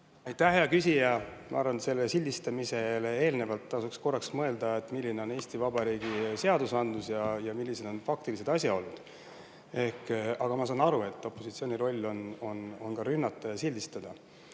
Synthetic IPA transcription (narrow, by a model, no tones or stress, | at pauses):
ɑjt̪ːˑæhɦe̞ɑkys̬ʲijɑmʔɑ̰ɑɾvɑnse̞lːesilʲd̪ist̪ɑmise̞le̞e̞ːlne̞vɑlt̪ːɑsuksko̞rːɑksmɤe̞ld̪ɑet̪ːmilːine̞o̞ne̞ːsʲt̪ivɑbɑɾiːɡ̥ise̞ɑd̪usɑnd̪lusjɑjɑmilːise̞d̪̥o̞nfɑkt̪ilise̞d̪̥ɑsʲjɑo̞lːud̪̥ | e̞hkɑɡ̥ɑmɑsɑːnɑɾue̞t̪ːˑo̞pːˑo̞sit̪sio̞ːnʲiɾo̞lʲːo̞no̞no̞nkɑɾynːɑt̪ːˑɑjɑsilʲd̪ist̪ɑd̪̥ɑ